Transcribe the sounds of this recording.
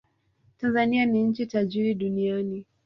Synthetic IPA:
tanzanianiɲ̩t͡ʃitaʄiɾiɗuniani

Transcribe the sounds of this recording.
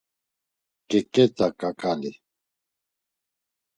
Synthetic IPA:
kɛkʼɛt̪ʰʼakʼakʼali

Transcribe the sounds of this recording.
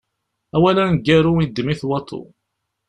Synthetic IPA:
æwælænɡːæɾuid̪miθwɑt̪ʰˤːo̰

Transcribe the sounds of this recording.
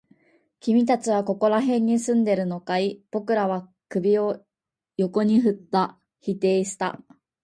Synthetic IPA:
kʲimʲit̪at͡ɕiβ̞ako̞ko̞ɾaɦẽ̞ɲ̟ːisɨ̃nd̪e̞ɾɯ̟no̞kaib̥o̞kɯ̟ɾaβ̞a | kɯ̟bʲio̞ | jo̞ko̞ɲ̟iɦɯ̟t̪ːa | çit̪e̞ːɕi̥t̪a̰

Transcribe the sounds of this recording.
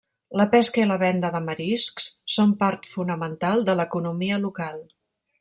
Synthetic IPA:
ləpɛskəiləβɛnd̪əðəməɾiskssompaɾt̪funəmənt̪alˠd̪ələkunumiəlukalˠ

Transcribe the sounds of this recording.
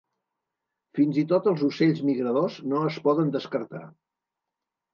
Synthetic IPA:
finzit̪ot̪əlˠzuseʎzmiɣɾəðoznoəspɔðənd̪əskəɾt̪a̰

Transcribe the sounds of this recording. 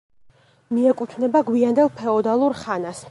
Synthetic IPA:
miɛkʼut̪ʰvnɛbaɡwiand̪ɛlˠpʰɛɔd̪alˠuɾχanas

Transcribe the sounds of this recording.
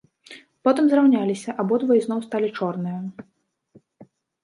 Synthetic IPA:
pɔt̪ɨmzrawnʲalʲisʲɐʔabɔd̪vɐjiznɔwst̪alʲit͡ʂɔrnɨjɐ

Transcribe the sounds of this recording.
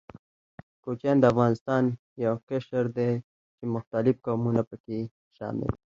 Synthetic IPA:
kot͡ʃand̪əafɣɑːnɪst̪ɑːn | jawkeʃəɾd̪e | t͡ʃemʊxt̪alɪfkaːmunapəke | ʃɑ̰ːmɪ̰l

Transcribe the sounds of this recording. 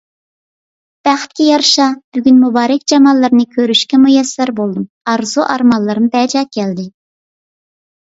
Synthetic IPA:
b̥æχt̪̚kʲʰɛjɑɾʃɑb̥yɡʲynmubɑːɾɛkʲd͡ʒɑmɑlˠːɨɾnɨkʲʰøɾyʃkʲɛmujɛsːæɾbolˠd̪um | ɑɾzuʔɑɾmɑlˠːɨɾɨmbɛd͡ʒɑːkʲʰɛld̪ɪ

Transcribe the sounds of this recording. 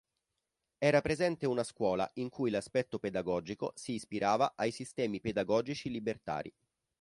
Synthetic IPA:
ɛːɾapɾezɛnt̪eunaskwɔːla̰iŋkujlaspɛt̪ːoped̪aɡɔːd͡ʒiko̰siːspiɾʔaːvaʔajsist̪ɛːmiped̪aɡɔːd͡ʒit͡ʃilibert̪a̰ːɾḭ

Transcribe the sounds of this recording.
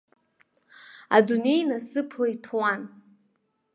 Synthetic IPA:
a̰dune̞jnasɨpʰlaipʰwan

